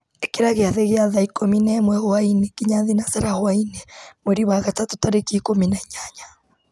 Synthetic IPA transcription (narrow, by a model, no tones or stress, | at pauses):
ekeɾaɣeaðeɣeaðaikominamwɛɣoainekiɲaðinaseɾahoainemwɛɾiwaɣatatotaɾekiːkominaɲaɲa